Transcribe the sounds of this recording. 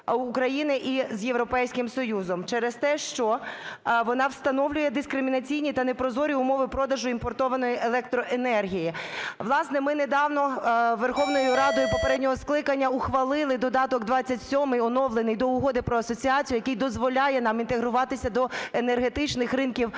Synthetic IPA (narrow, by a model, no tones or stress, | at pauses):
kɾɐjinɪʔizjeʋwɾɔpɛjsʲkɪmsɔjuzɔmt͡ʃɛɾest̪ɛʃt͡ʃɔ | ʋɔnɑwst̪ɐnɔʋlʲʊjɛd̪ɪskɾɪmʲinɐt͡sʲijnʲit̪ɐnɛpɾɔzɔɾʲiʊmɔʋɪpɾɔd̪ɐʒʊimpɔrt̪ɔʋɐnɔjielˠɛk̚t̪ɾɔʔenɛrɦʲijiʋlˠɑsnɛmɪned̪ɑwnɔʋerxɔʋnɔjʊɾɑd̪ɔjʊpɔpeɾɛdʲnʲɔɦɔsklˠɪkɐnʲːɐʊxʋɐlˠɪlˠɪd̪ɔd̪ɑt̪ɔɡd̪ʋɑt͡sʲːɐtʲsʲɔmɪjɔnɔʋlˠenɪjd̪ɔuɦɔd̪ɪpɾɔɐsɔt͡sʲiɑt͡sʲijʊjɐkɨjd̪ɔzʋɔlʲɑjɛnɑmint̪eɦɾʊʋɑt̪ɪsʲɐd̪ɔenerɦet̪ɪt͡ʃnɪxrɪnkʲiw